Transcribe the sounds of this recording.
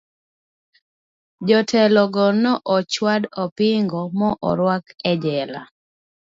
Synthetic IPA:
d͡ʒɔtʰɛlɔɡɔnɔʔɔt͡ʃwadɔpɪŋɡɔmɔʔɔ̰ɾwakɛd͡ʒɛla̰

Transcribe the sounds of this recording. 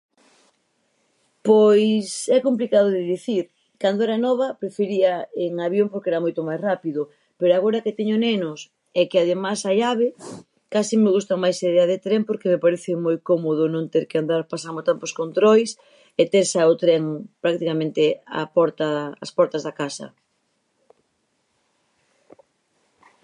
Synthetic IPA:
pojsɛkomplikaðoðɪðiθiɾ | kand̪oɛɾɛnɔβ̞ɐpɾefeɾiɐeŋaβjompoɾkɛɾamojt̪omajsrapiðʊ | peɾoaɣoɾɐket̪eɲonenʊs | ɛkɪaðemasaʎaβ̞e | kasimeɣust̪amajseðeaðet̪ɾempoɾkemepaɾeθɪmojkomoðʊnõŋt̪eɾkeand̪aɾpasamot̪amposkont̪ɾojs | et̪eɾsaot̪ɾeŋpɾak̚t̪ikamẽnt̪ea̰pɔɾt̪a̰ːspɔɾt̪ɐzðakasɐ̰

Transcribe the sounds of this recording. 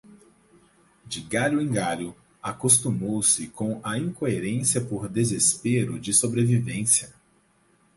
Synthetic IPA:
d͡ʒɪɡaʎʊẽɡaʎʊ | akost̪umowsɪkõɐĩkoeɾẽsiɐpoɾd̪ezespeɾʊd͡ʒɪsobɾevivẽsiɐ

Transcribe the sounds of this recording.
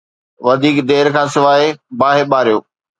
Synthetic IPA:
ʋɐd̪ʱiːkd̪eːɾkʰãːsɪʋaːebaːɦeɓaːɾijoː

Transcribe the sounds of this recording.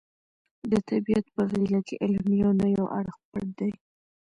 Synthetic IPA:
d̪ət̪abiat̪pəɣilakeʔɪlmjɑnajawʔa̰ɽxpəɽd̪aj

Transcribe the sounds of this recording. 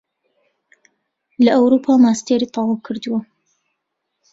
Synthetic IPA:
lɐʔawɾupʰaːmaːst̪eːɾiːt̪ˤɑwɑwkʰɨɾd̪ɨwɐ

